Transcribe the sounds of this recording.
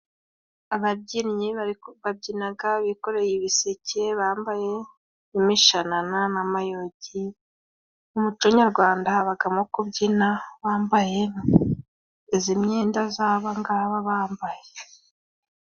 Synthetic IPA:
aβaimɲiβab̚ɟinaɡaβiko̞ɾe̞jiβiseceβaːmbaje̞ | imiʃanananamajoɟi | umut͡ʃoɲaɾɡwaːndaβaɡamokubɟinaβaːmbaje | izimɲe̞ːndazaːβaŋɡaːβaβaːmbaje

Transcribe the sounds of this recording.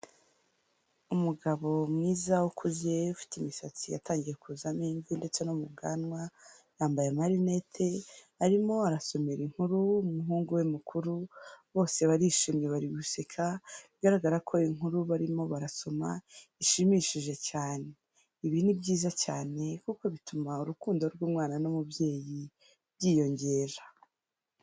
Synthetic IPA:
umuɡaβo̞mŋiːzawukʰuzjeufi̥timisat͡sija̰taːŋɟije̞kʰuzamiːnzinde̞t͡senomubɡa̰nwajaːmbajamaɾine̞tʰe̞ | aɾimo̞aɾaso̞meɾiŋ̥huɾuumuɦuːŋɡuwemukʰuɾuβo̞ːse̞βaɾiʃimɲeβaɾiβusekʰaβiɡaɾaɡaɾakʰo̞iŋuɾuβaɾimo̞βaɾaso̞ma̰iʃimiʃiʒe̞caːne̞ | iβinibɟiːzat͡ʃaːne̞kuko̞βitumauɾukuːndo̞ɾɡwuːmwaːnanomubje̞ːji | βjiːjo̞ɲɟe̞ːɾḁ

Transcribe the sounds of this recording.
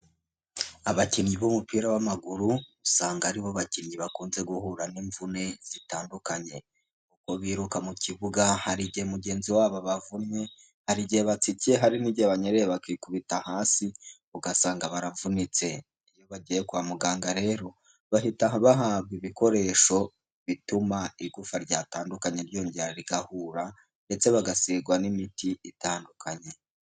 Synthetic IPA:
aβaciɲɟiβomupiːɾaβamaɡuɾuusaːŋɡaɾiβoβaciːnɟiβakuːnze̞ɡuhuɾaniɱvune̞z̥itaːndukaɲe̞ | kuko̞βiːɾukamuciβuɡahaɾiɟihemuɟe̞ːnziwaːβoβavumɲe | haɾiɟiheβat͡siceɦaɾiniɟiheβaɲeɾejeβakikuβitahaːsi | uɡasaːŋɡaβaɾavunit͡se̞ | ijo̞βaɟijekuamuɡaːŋɡaɾe̞ːɾo̞ | βaɦitaβaɦaːβɡiβiko̞ɾe̞ːʃo̞ | βitumaiɡufaɾɟaːtaːndukaɲeɾɟo̞ːɲɟeɾaɾiɡahuɾa | nde̞t͡se̞βaɡasiɡwanimitiitaːndukʰaɲe̞

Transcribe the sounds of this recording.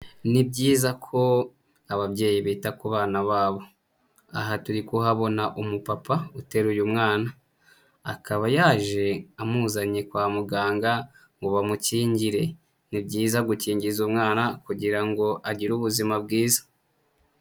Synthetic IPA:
nibɟiːzakʰo̞ | aβabɟe̞ːjiβiːtakuβaːnaβaːβo̞ | aɦatuɾikuɦaβo̞naʔumupapaute̞ɾujumŋaːnaː | kaβajaːʒe̞amuːzaɲe̞kwaːmuɡaːŋɡa | ŋɡoβamuciːɲɟiɾe̞ | nibɟiːzaɡuciːɲɟizumŋaːnakuɟiɾaŋɡo̞ʔaɟiɾuβuzimabɡiːzḁ

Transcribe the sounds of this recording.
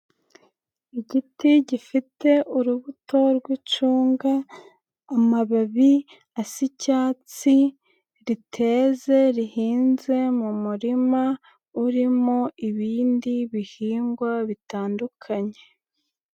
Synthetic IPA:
iɟitiɟifite̞ʔuɾuβutʰo̞ɾɡwit͡ʃuːŋɡaː | maβaβi | asicaːt͡si | ɾitʰe̞ːze̞ɾihiːnze̞mumuɾima | uɾimoiβiːndiβihiːŋɡwaβitaːndukʰaɲe̞

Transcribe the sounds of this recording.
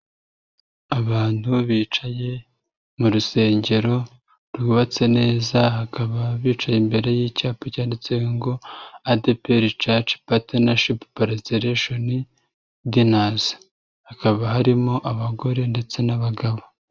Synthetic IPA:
aβaːnhuβiːt͡ʃaje̞ | muɾuse̞ːɲɟe̞ɾo̞ | ɾɡuβat͡se̞ne̞ːzahakʰaβaβiːt͡ʃajembe̞ɾe̞jicaːpocaːndit͡sewŋɡo̞adepeɾit͡ʃat͡ʃi̥patenaʃippaɾazeɾeʃoni | dinazḁ | hakaβaɦaɾimo̞ʔaβaɡo̞ɾe̞nde̞t͡se̞naβaɡaβo

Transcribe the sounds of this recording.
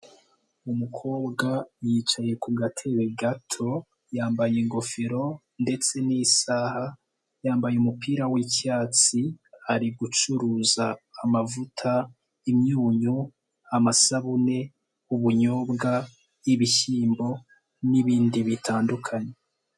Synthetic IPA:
umukʰo̞ːbɡajiːt͡ʃaje̞kuɡatʰe̞ɾeɡatʰo̞ | jaːmbajiŋɡo̞fiɾo̞ | nde̞t͡se̞nisaha | jaːmbajumupʰiːɾawicaːt͡siaɾiɡut͡ʃuɾuzaːmavutʰa | imɲuːɲu | amasaβune̞ | uβuɲoːbɡa | jiβiçiːmbo̞ | niβiːndiβitʰaːndukʰaɲe

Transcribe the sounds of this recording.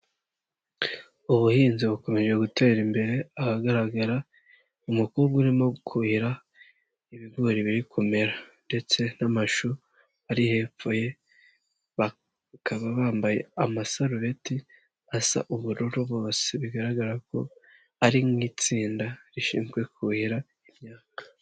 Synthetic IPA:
uβuhiːnziβuko̞me̞ʒwe̞ɡute̞ːɾimbe̞ɾe̞ahaɡaɾaɡaɾa | umukuɾuɡuɾimo̞ɡukʰuβiɾa | iβiɡuːɾiβiɾikʰume̞ɾande̞t͡se̞namaʃu | aɾihe̞ːp͡fo̞je̞ | βa | kaβaβaːmbajḛamasaɾuβe̞ti | asa̰ʔuβuɾuɾuβo̞ːseβiɡaɾaɡaɾako̞̰ | aɾimŋiːt͡siːndaɾiʃḭːnzɡwe̞kʰuhiɾa | imɲaːkḁ

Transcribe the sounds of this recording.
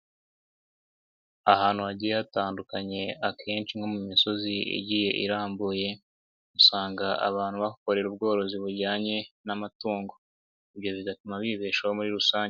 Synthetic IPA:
ahaːn̥huaɟijataːndukaɲe̞akʰe̞ːnt͡ʃiŋɡo̞mumiso̞ziḭɟije̞ʔḭɾaːmbuje̞ | musaːŋɡaʔa̰βaːn̥huβahuko̞ɾe̞ɾub̚ɡo̞ːɾo̞ziβuɾɟaːɲe̞namatuːŋɡo̞ | iβjo̞βiɡatumaβiβeːʃahomuɾiɾusaːɲe

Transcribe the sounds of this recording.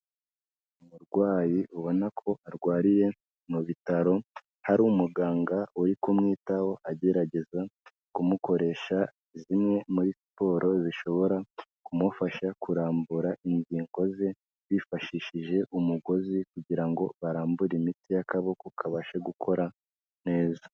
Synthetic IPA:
umuɾɡwaːjiʔuβo̞nakʰo̞aɾɡwaːɾije̞ | muβitaɾo̞ | haɾumuɡaːŋɡauɾikomŋiːtawo̞ʔaɟe̞ɾaɟe̞za | kumuko̞ɾe̞ʃa | izimŋe̞muɾispo̞ːɾʔo̞ziʃo̞βo̞ɾa | kumufaʃakuɾaːmbuɾaʔiɲɟiːŋɡo̞ze | βifaʃiʃiʒe̞ʔumuɡo̞zikuɟiɾaŋɡo̞βaɾaːmbuɾimitijakaβo̞kukʰaβaʃeɡukʰo̞ɾa | ne̞ːza

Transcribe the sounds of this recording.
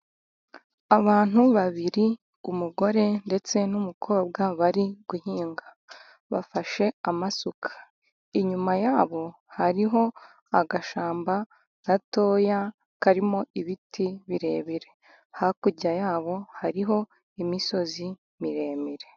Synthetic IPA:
aβaːn̥uβaβiɾi | umuɡo̞ɾe̞nde̞t͡se̞numukʰo̞ːb̚ɡaβaɾiɡ̥uhiːŋɡa | βa̰faʃe̞amasukʰḁ | iɲumajaːβo̞ | haɾiɦo̞ | aɡaʃaːmba | ɾato̞ːja | kaɾimo̞iβitʰiβiɾe̞ːβiɾe̞ | hakuɟajaːβo̞haɾiɦo̞ | imiso̞zi | miɾe̞ːmiɾe̞

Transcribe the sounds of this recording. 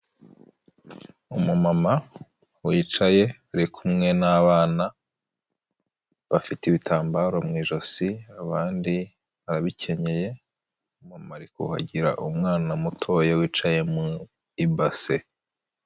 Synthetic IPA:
umumama | wiːt͡ʃaje̞aɾikʰumŋe̞naβaːna | βafiteiβitʰaːmbaɾo̞mŋiːʒosiaβaːndi | βaɾaβicʰe̞ɲe̞je̞ | umamaɾikṵha̰ɟiɾa̰ʔumŋaːnamutʰo̞ːjewiːt͡ʃaje̞mu | ibase

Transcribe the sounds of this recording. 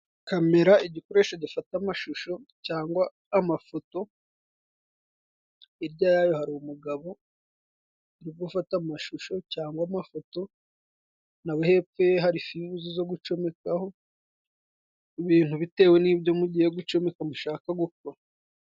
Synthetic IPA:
kame̞ɾaiɟikoɾe̞ːʃaɟifatamaʃuʃo̞caːŋɡwaː | mafoto̞ | iɾɟajajo̞haɾiumuɡaβo̞ | iɾiɡɡufatamaʃuʃo̞caːŋɡwamafo̞to̞ | nawehe̞p͡fe̞ɦaɾifiβuzizo̞ɡut͡ʃo̞me̞kaho̞ | iβiːn̥huβite̞ːwe̞niːβɟomuɟije̞ɡut͡ʃo̞me̞kamuʃaːkaɡuka

